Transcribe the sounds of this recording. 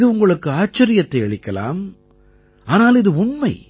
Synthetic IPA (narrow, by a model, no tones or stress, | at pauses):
ðɯʊŋɡɐɭɯkːɯaːt͡ʃːɐɾɪjɐt̪ːɐɪɛɭɪkːɐla̰ːm | aːnaːlɪðɯʊɳmɐɪ